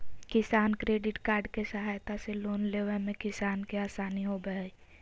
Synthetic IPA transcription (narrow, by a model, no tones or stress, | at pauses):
kɪsaːnkɾeːɖɪʈkaːɾɖkesɐɦaːjt̪aseloːnleːʋəɾmẽkɪsaːnkeaːsaːniɦobəe